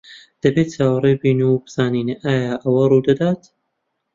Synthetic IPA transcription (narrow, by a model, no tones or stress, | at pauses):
d̪̥ɐbeːt̚t͡ʃaːwɐrebiːnubɨz̥aːniːnʔaːjaːʔɐwɐruːd̪ɐd̪aːt̪